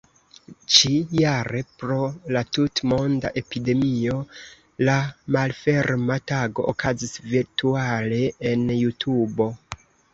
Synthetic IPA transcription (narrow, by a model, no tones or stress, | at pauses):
t͡ʃijaɾe̞pɾo̞latutmo̞nda̰ʔe̞pide̞mio̞ | lamalfe̞ɾmataɡo̞̰ʔokʰazisviɾtuale̞enjutʰubo̞